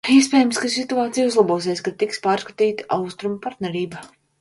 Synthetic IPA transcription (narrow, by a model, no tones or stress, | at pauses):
iɛspɛːjmskasit̪uaːt̪sijuzlˠaboɔs̬eɛsʲkat̪ikspaːɾskat̪iːt̪ḁʔawst̪ɾumpaɾt̪nɛɾiːba